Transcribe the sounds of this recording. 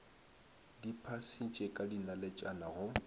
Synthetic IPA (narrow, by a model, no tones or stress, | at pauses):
dipʰasit͡ʃʼekʼadinalɛt͡ʃʼanaɣʊ